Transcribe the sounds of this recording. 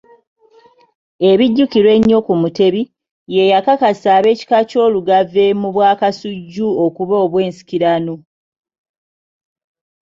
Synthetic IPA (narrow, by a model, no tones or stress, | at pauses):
e̞βiɟːukiɾwe̞ɲːo̞kumute̞βi | je̞jakakasaβe̞ːci̥kaco̞ːluɡavemuβwaːkasuɟːuokuβoːβwe̞ːnsi̥kiɾano